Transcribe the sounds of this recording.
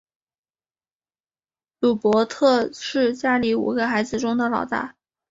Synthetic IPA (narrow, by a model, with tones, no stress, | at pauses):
lu˨˩pwɔ˧˥t̪ʰɤ˥˧ʂɻ̩˥˧t͡ɕja˥li˧˥ṵ˨˩ɡə˧xa˧˥ɪd͡zɹ̩˧ʈ͡ʂʊ˥ŋd̪ə˨lɑ˨˩ʊt̪a̰˥˩